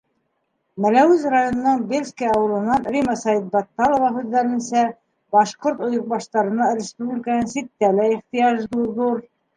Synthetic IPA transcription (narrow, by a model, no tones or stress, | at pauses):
mælæwʉzrajonɤ̆nɑɴbelʲskʲijɑɑwɤ̆lˠɤ̆nːɑnɾʲimɑsɑit̪̚bɑt̪ːɑlˠŏvɑɦʉðːæɾɘ̆nsæ | bɑʃqoɾt̪ŏjŏq̚bɑʃt̪ɑɾɤ̆nɑɾʲɪspublʲikənɤnsit̪̚ːælæiχt̪ɘ̆jɑʒd̪uðuɾ